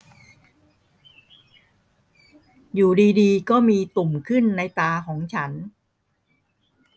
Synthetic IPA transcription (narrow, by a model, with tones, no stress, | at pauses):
juː˨˩diː˧diː˧kɔː˥˩miː˧t̪u˨˩mkʰɯ˥˩nːa˧jt̪aː˧kʰɔː˩˦ŋt͡ɕʰa˦˥n